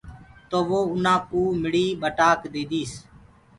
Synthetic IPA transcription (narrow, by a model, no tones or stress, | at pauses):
t̪oːʋoːʊnãːpuːmɪɽiːɓəʈaːkd̪eːd̪iːs